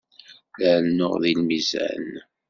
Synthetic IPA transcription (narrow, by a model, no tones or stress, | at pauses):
lənːʊ̰ʁðilmizæ̰n